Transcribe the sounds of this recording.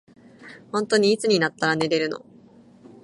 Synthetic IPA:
hõ̞nt̪o̞ɲ̟iːt͡sɨɲ̟inat̪ːaɾane̞ɾe̞ɾɯ̟no̞̰

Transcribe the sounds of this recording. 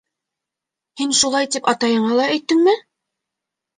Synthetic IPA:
hinʃulˠɑjt̪ipɑt̪ɑjɤ̆ɴɑlˠɑæ̆jt̪ːɘŋmɘ

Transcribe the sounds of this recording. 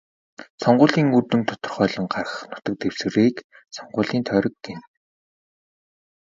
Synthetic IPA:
sɔɴɢʊːɮiːŋurt̪ɵ̆nt̪ʰɔ̥t̪ɞ̆rχœːɮɞ̆ŋɢarəə̆χnʊ̥t̪ə̆k̚t̪ews̆reːk | sɔɴɢʊːɮiːnt̪ʰœːɾɞ̆kːen

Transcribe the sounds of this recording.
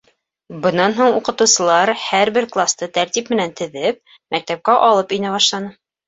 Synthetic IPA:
bɤ̆nːɑnɦuɴuqɤ̆t̪ɤ̆wsɤ̆lˠɑɾhæɾbɘɾklˠast̪ɤt̪æɾt̪ʲipmɘ̆nænt̪ɘ̆ðɘp̚ | mæk̚t̪æp̚kæʔɒlˠɤpinæβɑʃlˠɑnɤ

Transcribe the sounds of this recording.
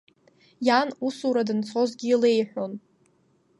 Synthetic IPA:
janusuɾadɨnt͡sʰo̞zɡʲiːle̞jħʷᶣon

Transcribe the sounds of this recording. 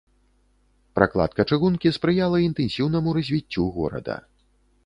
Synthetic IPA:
pɾʔa̰klˠa̰t̪̚kɐt͡ʂɨɣunkʲispɾɨjalˠɐint̪ɛnsʲiwn̪ɐmuɾɐzʲvʲit͡sʲːuɣɔ̰ɾɐ̰d̪ɐ̰

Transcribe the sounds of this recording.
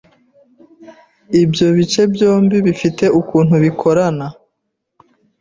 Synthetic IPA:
ibjo̞βit͡ʃe̞bjo̞ːmbiβifite̞ʔukuːn̥huβikʰo̞ɾana

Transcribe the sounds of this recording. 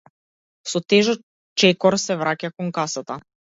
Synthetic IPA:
sɔt̪ɛʒɔ | t͡ʃɛkɔɾsɛvɾacakɔŋkasat̪a

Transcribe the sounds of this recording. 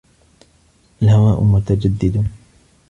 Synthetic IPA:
ʔalhawaːʔʊ̰mʊt̪ad͡ʒad̪ːɪd̪u

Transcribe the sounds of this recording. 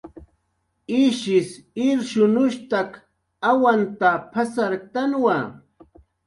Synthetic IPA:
ɪʃɪsɪɾʃʊnʊʃt̪ak | awant̪apʰasaɾt̪anwa

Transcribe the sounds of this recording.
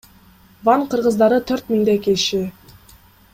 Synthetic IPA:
vɑɴqʰəɾʁə̆zd̪ɑɾət̪ʰøɾt̪mʲiŋd̪ekʲeʃɪ

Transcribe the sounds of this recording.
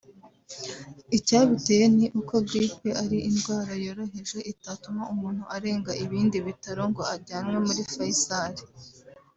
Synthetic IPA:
icaːβiteje̞niʔuko̞ɡɾipeʔaɾiʔinɡwaːɾajo̞ɾo̞ɦe̞ʒe̞ʔitatumaumuːn̥huʔaɾe̞ːŋɡaʔiβiːndiβitaɾo̞ŋɡo̞aɾɟaːnwe̞muɾifaisaɾi

